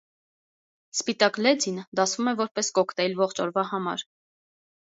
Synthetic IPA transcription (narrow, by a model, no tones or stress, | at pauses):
spit̪ɑklɛd͡zind̪ɑsvumɛvɔɾpɛskɔkʰt̪ɛilvɔχt͡ʃʰɔɾvɑhɑmɑ̰ɾ